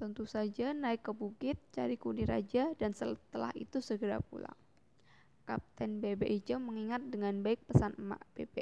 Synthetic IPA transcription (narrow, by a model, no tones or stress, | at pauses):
t̪ənt̪usad͡ʒanaɪkːəbukɪt̪̚t͡ʃa̰ɾikuniɾa̰d͡ʒadansət̪əla̰hḭt̪usəɡəɾa̰pṵla̰ŋ | kap̚t̪ɛnbebeʔid͡ʒəməŋiŋat̪̚dəŋanbaɪk̚pəsanma̰ʔb̥ebe